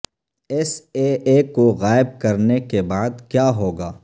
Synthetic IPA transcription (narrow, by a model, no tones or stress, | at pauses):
ɛseːeːkoɣaːɪb̚kɐɾnekebaːd̪kjaːɦoːɡaː